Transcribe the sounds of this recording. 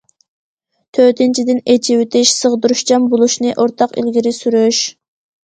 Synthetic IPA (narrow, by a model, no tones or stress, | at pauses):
t̪ʰøt̪ʰɪnt͡ʃʰid̪ɪnet͡ʃʰiwɪt̪ʰɪʃsəʁd̪uɾuʃd͡ʒɑmbolˠuʃnɨʔoɾt̪ʰɑqḭlɡʲiɾɪsyɾyʃ